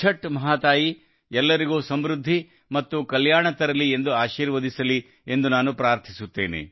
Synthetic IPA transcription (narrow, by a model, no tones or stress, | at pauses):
t͡ʃʰɐʈːmɐɦaːt̪aːji | ɛlːɐɾiɡuːsɐmɾud̪ʱːi | mɐt̪ːukɐljaːɳɐt̪ɐɾɐlːie̞nd̪uaːʃiːɾʋɐd̪isɐli | e̞nd̪unaːnupɾaːɾt̪ʰisut̪ːḛːnḛ